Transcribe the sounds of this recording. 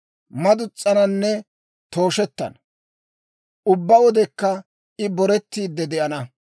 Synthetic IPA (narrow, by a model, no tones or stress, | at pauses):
mɐd̪ʊt͡sʼːɐnɐnːɛ | t̪o̞ːʃɛt̪ːɐ̰n | ʊbːɐwɔd̪ɛkːɐ | ʔɪbɔɾɛt̪ːiːd̪ːɛd̪ɛʔɐnɐ